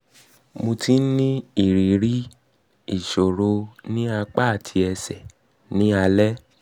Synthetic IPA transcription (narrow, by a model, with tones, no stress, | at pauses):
mo˧tʰi˦n̩˦nĩ˦i˦˨ɾi˨˦ɾi˦ | i˨ʃo˨ɾo˧nĩ˦a˧k͡pa˦˨tʰi˧ɛ˧sɛ˨ | nĩ˨˦a˧lɛ˦